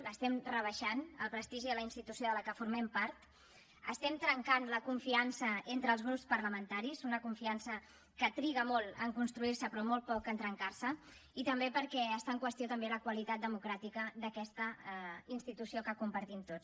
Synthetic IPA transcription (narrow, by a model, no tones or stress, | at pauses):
ləst̪ɛmrəβ̞əʃanəlˠpɾəst̪iʒiðələinst̪it̪usijoðələkəfuɾmɛmpaɾt̪ | əst̪ɛmt̪ɾəŋkanləkuɱfiansəent̪ɾəːlˠzɣɾupspərləmənt̪aɾiszunəkuɱfiansə | kət̪ɾiɣəmɔlˠəŋkunst̪ɾuirsəpɾɔmolˠt̪̚pɔkənt̪ɾəŋkarsə | it̪əmbepəɾkɛəst̪aəŋkwəst̪ijot̪əmbeləkwəlit̪at̪̚d̪əmukɾat̪ikəd̪əkɛst̪əinst̪it̪usiokəkumpəɾt̪imt̪ot͡s